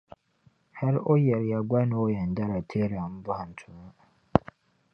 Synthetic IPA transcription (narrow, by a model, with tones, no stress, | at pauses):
hɛ˦ɾo˦jɛ˨ɾja˨ɡʷa˦nũ˦o˦jɛ˨n̩˨da˦ɾa˨tʰe˦ɾa˨m̩˦bʊ˦ha˨n̩˨tʰʊ˨ma˦